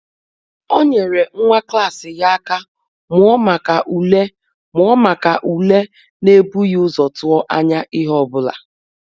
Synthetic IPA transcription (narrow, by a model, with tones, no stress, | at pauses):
o˦ɲe˨ɾe˨ŋ̩˦ŋʷa˦kla˦˨sɪ˨ja˦a˦ka˦ | mʊ˨˦ɔ˦ma˨ka˨ʔu˨le˦ | mʊ˨˦ɔ˦ma˨ka˨ʔu˨le˦ | ne˦bu˦jʊ˦zɔ˨tʊ˦ɔ˦ʔa˦ɲa˦ʔɪ˦ɦɔ˦bʊ˦la̰˨